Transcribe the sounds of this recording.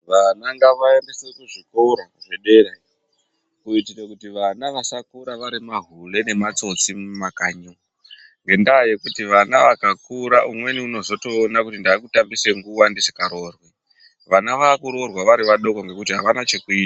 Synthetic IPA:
ʋanaŋɡaʋaendesekuʐiko̞ɾoʐeɗe̞ɾa | kuitiɾekutiʋanaʋasakuɾaʋaɾimaɦule̞ne̞mat͡so̞t͡simmakaɲo | ŋɡe̞ndaːje̞kutiʋanaʋakakuɾaʔumwe̞niuno̞zo̞to̞ːnakutindaːkutambise̞ŋɡuwandisi̥kaɾo̞ːrwi | ʋanaʋaːkuɾo̞rwaʋaɾiʋaɗo̞koŋɡe̞kutiɦaʋanat͡ʃe̞kuiːta

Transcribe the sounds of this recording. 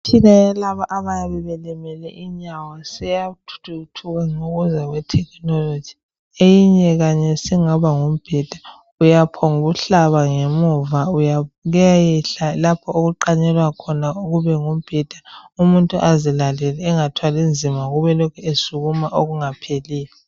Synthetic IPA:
tʰinajalaβaʔaβajaβɛβɛlɛmɛlɛʔiɲawasɛjatʰu̥tʰutʰuɣaŋoɣuzaɣwɛtʰɛkʰnɔlod͡ʒ̥ʱi̥ | ejiɲɛɣaɲɛsiŋaβaŋom̩b̥ʱɛd̥ʱḁ | ujapʰɔŋuβuɬaβaŋemuvaujaɣɛjajɛɬalapʰɔoɣuǃaɲɛlwakʰɔnauɣuβɛŋum̩b̥ʱɛd̥ʱaumuntʼuʔazilalɛlɛːŋatʰwalind͡zʱimaɣuβɛlokʰɛesuɣumaʔoɣuŋapʰeliːlɛ

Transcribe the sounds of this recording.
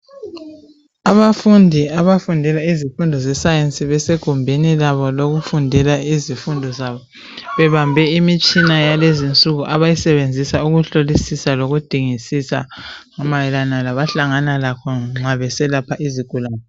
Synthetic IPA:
aβafundʱiaβafundʱɛlaizifundʱɔzɛsajensʼiβɛseɡ̥ʱumbʱenilaβɔloɣufundʱɛlaizifundʱɔzaβɔ | βɛβambʱɛimit͡ʃʼinajalezint͡sʼuɣuʔaβajisɛβend͡zʱisauɣuɬolisisaloɣud̥ʱiŋisisa̰ŋamajɛlanalaβaɬaŋanalakʰɔŋ͡ǁaβɛsɛlapʰaʔiziɡ̥ʱulaːnɛ

